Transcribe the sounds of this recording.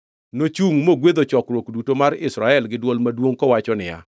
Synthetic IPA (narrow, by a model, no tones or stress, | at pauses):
not͡ʃuŋmoɡwed̪ot͡ʃɔkɾwokdutomaɾɪsɾaɛlɡɪdwolmadwoŋkɔwat͡ʃɔnɪja̰